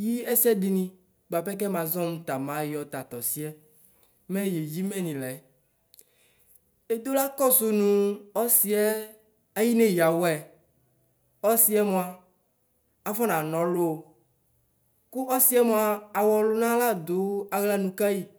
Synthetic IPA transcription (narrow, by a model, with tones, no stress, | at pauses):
ji˦ɛ˦sɛ˦di˨nĩ˦ | ɡ͡ba˨pɛ˦k̬ɛ˦mã˨zɔ̃˦mũ˦t̪a˨mã˦jɔ˨t̪a˨t̪ɔ˨si˦ɛ˦ | mɛ̃˦je˨d͡ʑi˦mɛ̃˦nĩ˨lɛ˨ | e˦d̪o˦la˦kɔ˦so˨nũ˨ɔ˦si˦ɛ˦ | a˦ji˦ne˦ja˨wɔ˦ɛ˨ | ɔ˦si˦ɛ˦mõ˨a˨ | a˨fɔ˦nã˨nɔ̃˨lo˦o˨ | ku˦ɔ˦si˦ɛ˦mõ˨a˨a˨wɔ˨lʊ˦nã˦la˦d̪o˦a˨ɣla˦nũ˨ka˦ji˦